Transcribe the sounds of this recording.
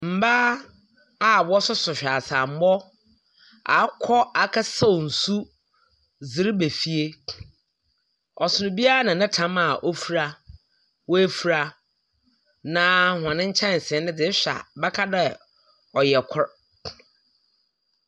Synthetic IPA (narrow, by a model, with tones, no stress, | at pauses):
m̩˨baː˦ | a˦˨bɔ˦sʊ˦sʊ˨ɕᶣa˨sa˨m̩˦mɔ˦ | a̰˨˦kʰɔ˦a˨kʰa˦sa˦˨n̩˨su˦ | zɪ˨ɾbe˨fi˦e˦ | ɔ˨sʊ˨nʊ̃˨bi˦a˦a˦nã˨nɪ̃˦tʰã˦ma˨ʔo˦fu˦ɾa˦ | we˦fu˨ɾa˦ | nãː˨˦hʊ˨ã˨nɪ̃˦ɲ̩˦t͡ɕʰɛ̃˦n̩˨sɛ̃˨˦nɪ̃˦dɪ˨˦ɕᶣa̰˨bɛ˦kʰa˦dɛ˦ | ɔ˨jɛ˨kʰʊ˦ɾ